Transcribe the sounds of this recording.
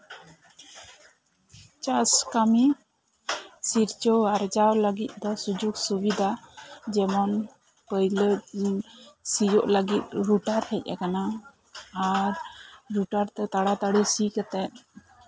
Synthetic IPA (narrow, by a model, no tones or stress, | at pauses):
t͡ʃaskami | siɾt͡ʃɔaɾd͡ʒawləɡit̪̚ˀd̪ɔsud͡ʒuɡsubid̪ʱad͡ʒɛmɔn | pəjlə | sid͡ʒɔʔləɡit̪̚ɾuʈaɾhɛc̚ˀa̰kanaː | ɾɾuʈaɾt̪ɛt̪aɽat̪aɽisikɛt̪ɛt̪̚